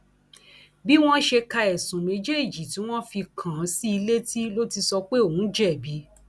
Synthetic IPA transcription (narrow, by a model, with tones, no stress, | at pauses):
bi˦w̃ɔ̃˦ʃe˧ka˧ɛ˨sũ˨mẽ˨˦d͡ʒe˦i˨d͡ʒi˨ti˨˦w̃ɔ̃˦fi˧kʰã˨˦si˦i˧le˦ti˦lo˦ti˧sɔ˧k͡pe˦o˨wũ˨˦d͡ʒɛ˦˨bi˨˦